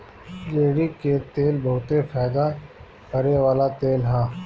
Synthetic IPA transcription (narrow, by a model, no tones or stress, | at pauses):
d͡ʒeːɽiket̪eːlbɐɦʊt̪efʰaːd̪a | pəɾeʋaːlat̪eːlɦãː